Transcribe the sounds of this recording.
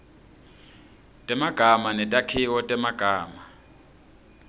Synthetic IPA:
tʼɛmaɡ̥ʱamanɛtʼakʰiwɔtʼɛmaɡ̥ʱaːma

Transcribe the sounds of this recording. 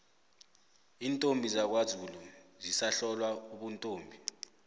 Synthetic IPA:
iːntʼombʱizak̬wazʱulɔzisaɬɔlwauɓuntʼoːmbʱi

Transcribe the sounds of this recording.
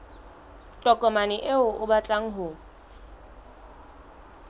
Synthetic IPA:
tʼɔkʼɔmanɪʔeʊʔʊbat͡ɬʼaŋ̩ɦʊ

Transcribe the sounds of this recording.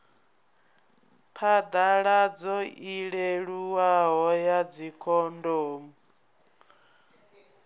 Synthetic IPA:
pʰad̪aɺad͡zɔʔiɺeɺuwaɦɔjad͡zikʰɔndɔːmu

